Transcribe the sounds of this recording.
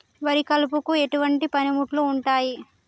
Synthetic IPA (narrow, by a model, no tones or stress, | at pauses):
ʋɐɾikɐlupukue̞ʈuʋɐɳʈipɐnimuʈluːɳʈaːji